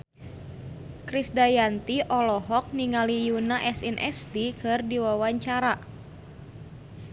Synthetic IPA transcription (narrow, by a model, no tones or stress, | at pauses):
kɾisdajant̪iʔɔlɔɦɔk̚niŋalijunaʔɛsinʔɛ̰st̪ikɨrdiwawaɲt͡ʃaɾa